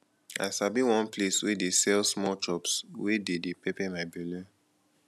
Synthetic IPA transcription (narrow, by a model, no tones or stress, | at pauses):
a̰ʃabĩwɔ̃npleswedesɛlsmɔlt͡ʃɔpswededepepɛmaɪbɛlɛ